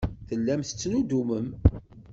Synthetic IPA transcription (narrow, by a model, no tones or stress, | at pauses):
θəlːæmθə̥t͡sːnud̪uməm